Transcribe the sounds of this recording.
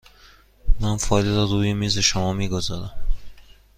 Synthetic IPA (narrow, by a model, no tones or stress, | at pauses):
mænfɒːjleɾɒɾuːjemiːze̞ʃomɒːmiːɡozɒ̰ːɾæm